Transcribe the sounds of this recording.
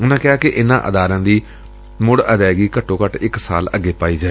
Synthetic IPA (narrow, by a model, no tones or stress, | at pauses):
ʊnãːkɪɦaːkɪʔɪnãːʔəd̪aːɾãːd̪iː | mʊɽəd̪ɛːɡiːkəʈʰːõːkəʈɪksa̰ːləɡːeːpaːiːd͡ʒaːe